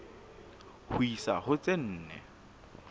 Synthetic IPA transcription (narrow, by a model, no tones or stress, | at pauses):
hʊisa̰hʊt͡sʼen̩ːnɛ̰